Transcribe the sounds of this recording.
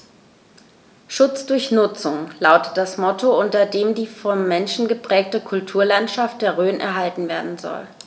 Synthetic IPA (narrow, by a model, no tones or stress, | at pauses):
ʃʊt͡sd̥ʊɐçnʊt͡sʊŋlaʊtə̥t̚d̥asmɔtoʊntɐdeːmdiːfɔmːɛnʃn̩ɡəpʁ̥ɛːk̚təkʰʊltʰuːɐlantʃaft̚d̥eːɐʁøːnɛ̰ɐɦaltn̩veːɐdn̩zɔ̰l